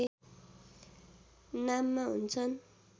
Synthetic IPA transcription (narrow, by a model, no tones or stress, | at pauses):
namːaɦṵnt͡sʰʌn